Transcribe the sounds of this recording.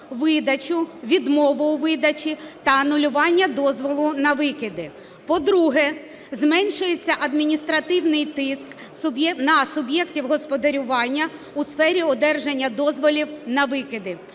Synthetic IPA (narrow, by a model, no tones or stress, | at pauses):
ʋɪd̪ɐt͡ʃʊʋʲid̪mɔʋʊʊʋɪd̪ɐt͡ʃit̪ɐːnʊlʲʊʋɑnʲːɐd̪ɔzʋɔlˠʊnɐʋɪkɪd̪ɪ | pɔd̪ɾuɦɛ | zmɛnʲʃʊjet͡sʲːɐʔɐd̪mʲinʲist̪ɾɐt̪ɪwnɪjt̪ɪsk | sʊbnɐsʊbjɛktʲiwɦɔspɔd̪ɐɾʲʊʋɑnʲːɐ | usfɛɾʲiɔd̪ɛrʒenʲːɐd̪ɔzʋɔlʲiwnɐʋɪkɪd̪ɪ